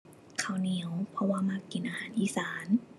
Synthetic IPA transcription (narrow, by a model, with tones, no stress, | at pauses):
kʰa˨˩wni˨˦əwpʰɔ˧waː˧ma˧˩kːi˨˩nʔaː˧haː˨˩˦nʔiː˨˦saː˩˦n